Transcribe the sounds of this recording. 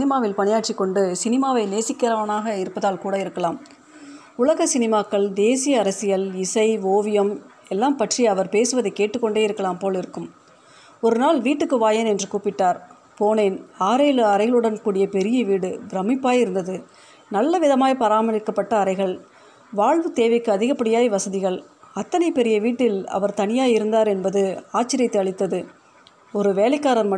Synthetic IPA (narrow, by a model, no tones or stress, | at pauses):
ɪnɪmaːʋɪlpɐnɪjaːʈt͡ʃɪkːɔɳɖɯsɪnɪmaːʋɐɪneːsɪkːɪɾɐʋɐnaːɣɐɪɾɯpːɐðaːlkuːɽɐɪɾɯkːɐlaːm | ʊɭɐɣɐsɪnɪmaːkːɐɭd̪eːsɪjɐːɾɐsɪjɐlɪsɐɪʋoːʋɪjɐm | ɛlːaːmpɐʈrijɐʋɐɾpeːsɯʋɐðɐɪkːeːʈːɯkːɔɳɖeːɪɾɯkːɐlaːmpoːlɪɾɯkːɯm | ɔɾɯnaːlʋiːʈːɯkːɯʋaːjɐnɛndrɯkuːpɪʈːaːɾ | poːneːnaːɾeːlɯɐɾɐɪɣɐɭɯɽɐnkuːɽɪjɐpɛɾɪjɐʋiːɽɯbɪɾɐmɪpːaːjɪɾɯnd̪ɐðɯ | nɐlːɐʋɪðɐmaːjpɐɾaːmɐɾɪkːɐpːɐʈːɐːɾɐɪɣɐɭ | ʋaːɻʋɯt̪eːʋɐɪkːɯɐðɪɣɐpːɐɽɪjaːjiʋɐsɐðɪɣɐɭ | ɐt̪ːɐnɐɪpɛɾɪjɐʋiːʈːɪlɐ̰ʋɐɾt̪ɐnɪjaːjɪɾɯnd̪aːɾɛnbɐðɯaːt͡ʃːɪɾɪjɐt̪ːeɐɭɪt̪ːɐðɯ | ɔɾɯʋeːlɐɪkːaːɾɐnmɐ